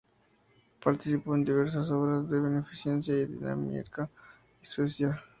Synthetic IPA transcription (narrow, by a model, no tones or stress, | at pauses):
paɾt̪isipond̪iβeɾs̬asoβɾazd̪eβenefisjensjaid̪ḭna̰mḭka | isosjal